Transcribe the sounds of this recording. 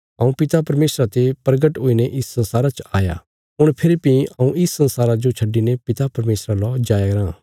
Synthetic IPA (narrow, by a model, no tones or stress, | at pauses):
ɐũpɪt̪apɐɾmeːsɾat̪epɾɡəʈɦoːineʔɪsːɐ̃nsaːɾat͡ʃaːja̰ | ɦʊɽ̃pʰɪɾipiɐũɪsːɐ̃nsaːɾad͡ʒot͡ʃʰɐɖinepɪt̪apɐɾmeːsɾalɔd͡ʒaːjaɡɐɾãː